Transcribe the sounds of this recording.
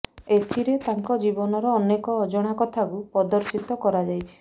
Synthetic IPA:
et̪ʰiɾet̪aŋkɔd͡ʒibɔnɔɾɔːnekɔːd͡ʒɔɽ̃akɔt̪ʰakupɔd̪ɔɾsit̪ɔkɔɾad͡ʒajt͡ʃʰi̥

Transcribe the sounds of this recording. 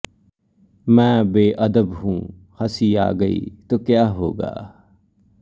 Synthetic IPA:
mɛ̃ːbeːʔɐd̪əbɦũː | hɐsiːa̰ːɡəḭːt̪oːkjaːɦoːɡa̰ː

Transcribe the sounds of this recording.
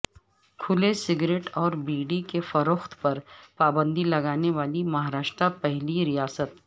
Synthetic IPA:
kʰʊlesɪɡɾeːʈɔːɾbiːɖikefɐɾoːxt̪pɐɾpaːbə̃nd̪ilɐɡaːneʋaːlimɐɦaːɾaːʃt̪ɾapɛɦliɾijaːsət̪

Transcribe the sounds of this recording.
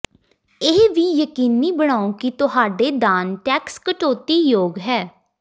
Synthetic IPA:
ɪːʋiːjəkiːniːbəɽ̃aːõːkit̪ʊɦaːɖeːd̪aːnʈɛːkskəʈoːt̪iːjoːɡɦɛː

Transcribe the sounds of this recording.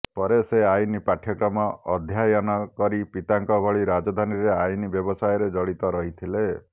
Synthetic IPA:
pɔɾeseajnipaʈʰːjɔkɾɔmɔʔɔd̪ʱjajɔnɔkɔɾipit̪aŋkɔbʱɔɭiɾad͡ʒɔd̪ʱaniɾeajnibjɔbɔsajɔɾed͡ʒɔɭit̪ɔɾɔɦit̪ʰile

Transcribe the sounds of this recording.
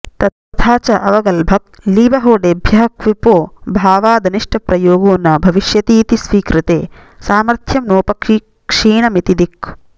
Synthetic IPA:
t̪ɐt̪ɐt̪ʰaːt͡ʃɐʔɐʋɐɡɐlbʱɐk̚liːbɐɦoːɖeːbʱjɐɦɐkʋipoːbʱaːʋaːd̪ɐniʂʈʰɐpɾɐjoːɡoːnɐbʱɐʋiʃjɐt̪iːt̪isʋiːkɾɪt̪eː | saːmɐɾt̪ʰjɐmnoːpɐkː | kʂiːɳɐmit̪id̪ik

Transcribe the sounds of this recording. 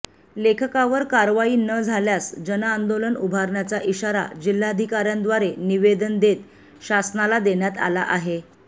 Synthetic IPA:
lekʰəkaʋəɾkaɾʋaiːnəd͡zʱaljasd͡ʑənaːnd̪olənubʱaɾɳjat͡saʔiɕaɾa̰d͡ʑil̤ːaəd̪ʱikaɾjãnd̪ʋaɾeniʋed̪ənd̪et̪ | ɕasnalad̪eɳjat̪a̰la̰ʔaɦe

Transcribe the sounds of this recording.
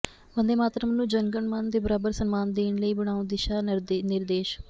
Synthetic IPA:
bənd̪eːmaːt̪ɾəmənːũːd͡ʒəŋɡəɳmənd̪eːbəɾaːbəɾsənmaːnd̪eːnləiːbəɽ̃aːõːd̪ɪʃaːɾnɪɾd̪eːʃ

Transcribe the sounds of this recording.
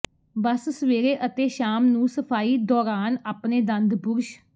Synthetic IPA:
bəssʋeːɾeːʔət̪eːʃaːmnũːsəpʰaːiːd̪ɔːɾaːnaːpneːd̪ə̃nd̪bʊɾʃ

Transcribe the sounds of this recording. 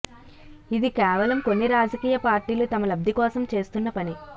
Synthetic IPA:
id̪ikɛːʋɐlɐmko̞nːiɾaːd͡ʒɐkiːjɐpaːɾʈiːlut̪ɐmɐlɐb̚d̪ʱikɔːsɐmt͡ʃe̞ːst̪unːɐpɐni

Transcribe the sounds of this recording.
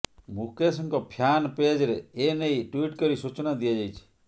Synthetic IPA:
mukesɔŋkɔpʰjanped͡ʒɾeːnejʈwiʈkɔɾisut͡ʃɔnad̪iad͡ʒajt͡ʃʰi̥

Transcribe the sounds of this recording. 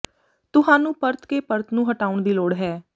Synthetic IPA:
t̪ʊɦãːnũːpəɾt̪keːpəɾt̪nũːɦəʈaːʊɳd̪iːloːɽɦɛː

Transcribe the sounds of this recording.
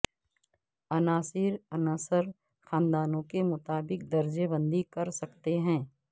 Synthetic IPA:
ɐnaːsɪɾɐnasəɾ | xaːnd̪aːnõkemʊt̪aːbɪk̚d̪ɐɾd͡ʒebə̃nd̪ʱikɐɾsɐkt̪eɦɛ̃ː

